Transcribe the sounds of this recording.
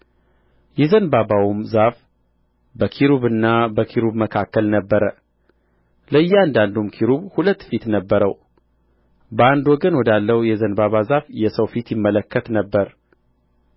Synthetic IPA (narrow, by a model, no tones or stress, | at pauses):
jɛzənbabawumzaf | bəkʰiɾuβɨnːabəkʰiɾubməkʰakːəlnəbːəɾə | ləɨjːɛand̪and̪umkʰiɾuβhulət̪ːfit̪nəbːəɾəw | bəand̪wɔɡənwɔd̪alːəwjɛzənbaβazafjɛsəwfit̪jɪmːələkʰːət̪nəbːəɾ